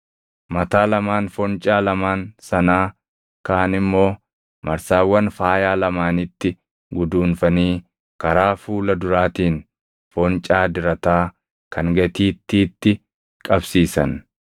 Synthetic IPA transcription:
mɐt̪aːlɐmaːnfɔnt͡ʃʼaːlɐmaːnsɐnaː | kaːnɪmːo̞ː | mɐɾsaːwːɐnfaːjaːlɐmaːnɪt̪ːɪ | ɡʊd̪uːnfɐniː | kɐɾaːfuːlɐd̪ʊɾaːt̪iːŋ | fɔnt͡ʃʼaːd̪ɪɾɐt̪aː | kʰɐŋɡɐt̪iːt̪ːiːt̪ːɪ | kʼɐbsiːsɐn

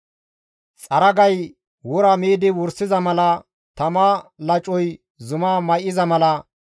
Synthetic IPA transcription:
t͡sʼɐɾɐɡɐj | wɔɾɐmeːd̪ɪwʊɾsɪzɐmɐlɐ | t̪ɐmaːlɐt͡ʃʼɔj | zʊmaːmɐjɪzɐmɐlɐ

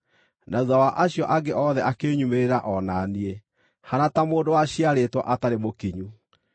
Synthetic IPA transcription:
nauðawaʔaɕjɔʔaɡeʔɔðɛʔakeːɲumeɾeɾaʔɔnanie | hanatamoːndowaɕiaɾeːtwɔ̰ʔataɾemokiɲu

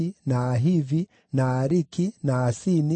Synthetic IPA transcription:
inaːɦivi | naːɾikinaːsini

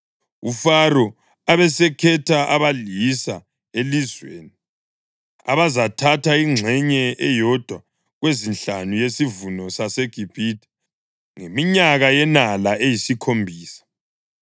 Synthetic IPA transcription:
ufaɾɔ | aβɛsɛkʰɛtʰaʔaβalisa | elizwḛːni | a̰βazatʰatʰaiŋ͡ǁʱɛɲɛʔɛjɔd̥ʱwa | ɣwezinɬanujesivunɔsaseɡ̥ʱib̥ʱidʱɛ̥ | ŋemiɲaɣajɛnalaejisikʰombʱiːsḁ

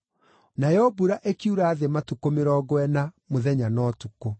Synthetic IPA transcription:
najɔbuɾaʔekiuɾaːðematukomeɾɔɡwɛnamoðɛɲanɔːtuko

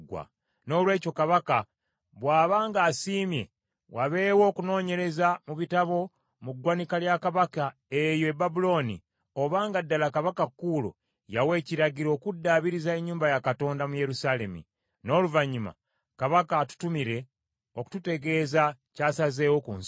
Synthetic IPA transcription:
ɡwa̰ | no̞ːlwe̞ːco̞kaβaka | βwaːβaːŋɡaːsiːmje̞ | waβe̞wo̞ːkuno̞ːɲe̞ɾe̞zamuβitaβo̞ | muɡwanikaljakaβaka | e̞joebabulo̞nḭ | o̞βaːŋɡadːalakaβakakːuːlo̰ | jawe̞ːciɾaɟiɾo̞ːkudːaβiɾizaeɲːuːmbajakato̞ːndamuje̞ɾusaːle̞mḭ | no̞ːluvaɲːima̰ | kaβakatu̥tumiɾe̞ | oku̥tute̞ɡe̞ːzacaːsaze̞ːwokuns

